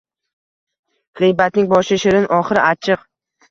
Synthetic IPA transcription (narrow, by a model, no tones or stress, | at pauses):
ʁɨjbat̪̚nɪŋbɒʃɪʃɪɾɪnʔɒχɨɾɪʔat͡ʃʰɨq